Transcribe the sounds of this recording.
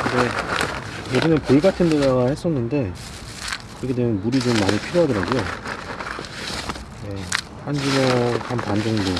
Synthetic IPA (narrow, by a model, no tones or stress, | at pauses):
kinɡe | jeɡinɯnpoiɡatʰɯndedaɡahe̞s͈ʌnːɯnde̞ | kɯɾʌkʰedwe̞mjʌnmuɾid͡ʑomːaɲipʰiɾjoɦadʌɾaɡojo | je̞ | hand͡ʑunohanpand͡ʑoŋdo